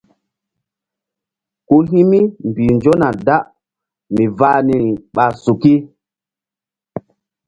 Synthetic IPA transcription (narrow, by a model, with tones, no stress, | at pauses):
ku˦ɦi˦mi˦m˨bi˨nd͡ʒo˦na˨da˦ʔ | mi˨va˦ni˨i˨ɓa˨su˨ki˦